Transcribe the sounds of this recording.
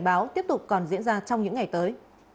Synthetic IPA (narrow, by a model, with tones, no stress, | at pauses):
ɓaː˨˦wt̪i˦˥əp̚t̪ʊ˨˩k͡p̚kɔ˨˩nzḭ˧˥ənzaː˧t͡ɕɔ˧wŋ͡mɲɨ̰˧˥ŋːa˨˩jt̪əː˨˦j